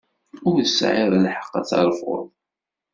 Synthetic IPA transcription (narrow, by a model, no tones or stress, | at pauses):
ʊɾðəsʕɪɾˤalħə̥qːæ̰t͡sːɑ̰ɾˤfʊ̰ðˤ